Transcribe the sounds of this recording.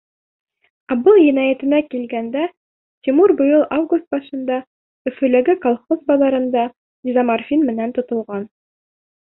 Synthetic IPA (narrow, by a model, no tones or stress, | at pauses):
ɑbɤlˠjɘ̆næjæt̪ɘ̆nækilɡænd̪æ | t̪ʲimuɾbɤ̆jɤlˠavɡust̪̚bɑʃɤ̆nd̪ɑ | ɵ̆fɵ̆læɡɘkɑlˠχozbɑlˠɑɾɤ̆nd̪ɑ | izamarfʲinmɘ̆nænt̪ŏt̪ŏlˠʁɑn